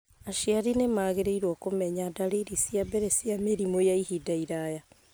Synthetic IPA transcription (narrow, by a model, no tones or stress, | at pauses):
aʃiaɾinemaɣeɾeiɾwɔkomɛɲadaɾiɾisiabɛɾɛsiameɾimojaihidaiɾaja